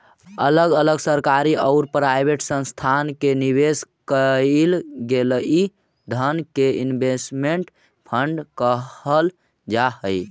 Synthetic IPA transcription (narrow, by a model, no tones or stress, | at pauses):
ələɡələɡsəɾkaɾiʔəʊɾpɾajbʱeʈsə̃nst̪ʰankenibeskəlɡeləi | ɖ̪ʱənkeinbesmeɳʈ | pʰəɳɖkəəl | d͡ʒaɦəj